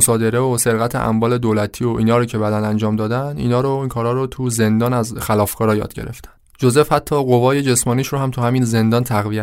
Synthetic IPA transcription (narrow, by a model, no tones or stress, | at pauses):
sɒːd̪e̞ɾe̞ose̞ɾɣæt̪ʰḛʔæ̰mvɒːle̞d̪oːlæt̪ʰiːoʔiːnɒːɾoːcʰe̞bæd̪ænænd͡ʒɒːmd̪ɒːd̪ænd̪ḭːnɒːɾoiːkʰɒːɾɒːɾot̪ʰuze̞nd̪ɒːnæzxælɒːfkʰɒːɾɒːjɒ̰ːd̪ɟe̞ɾeft̪ʰæ̥n | d͡ʒoze̞fhæt̪ʰːɒːɣo̞vɒːje̞d͡ʒe̞smɒːniːʃɾohæmt̪ʰuhæmiːnze̞nd̪ɒːnt̪ʰæɣvijæ